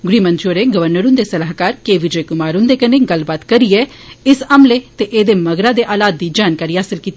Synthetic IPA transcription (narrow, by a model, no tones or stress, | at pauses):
ɡɽiːmə̃nt͡ʃoːɾeːɡəʋəɾnəɾʊ̃nd̪eːsəlaːɦkaːɾkeːʋɪd͡ʒeːkʊmaːɾʊ̃nd̪eːkəneːɡəlbaːt̪kəɾiɛː | ɪsəmleːt̪eʔeːd̪eːməɡɾãːd̪eːʔaːlaːd̪̚ːiːd͡ʒaːnkaːɾiːɦaːsɪlkiːt̪i